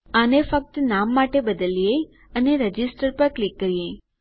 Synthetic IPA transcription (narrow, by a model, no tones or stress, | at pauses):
anefək̚t̪namːaʈebəd̪əlje | əneɾəd͡ʒɪsʈəɾpəɾklikːəɾijẽ